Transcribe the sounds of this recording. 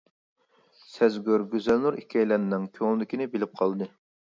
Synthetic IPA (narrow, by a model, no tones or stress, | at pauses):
sɛzɡʲøɾɡʲøzɛlnuɾikʲʰɛjlænnɨŋkʲʰøŋld̪ɪkʲinɪbelɪp̚qʰɑlˠd̪ɨ